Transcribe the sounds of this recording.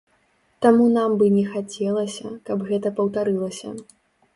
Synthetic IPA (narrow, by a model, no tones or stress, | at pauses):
t̪amunambɨnʲɛxat͡sʲɛlˠɐsʲɐkɐbɣɛt̪ɐpɐwt̪aɾɨlˠɐsʲɐ̰